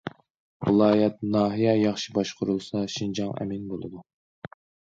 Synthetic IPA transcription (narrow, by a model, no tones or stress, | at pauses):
vɨlˠɑːjɛt̪̚nɑːɦijɛjɑχʃi̥bɑʃqʰʊɾulˠsɑʃind͡ʒɑŋɛ̰minbolˠɨ̰d̪u